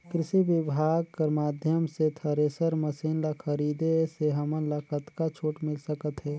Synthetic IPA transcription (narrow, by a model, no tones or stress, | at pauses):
kɾɪsibɪbʱaːɡ̚kəɾmaːd̪ʱjəmset̪ʰəɾesəɾməsinlakʰəɾiːd̪eseɦəmənləkət̪kat͡ʃʰoːʈmɪlsəkət̪ɦɛː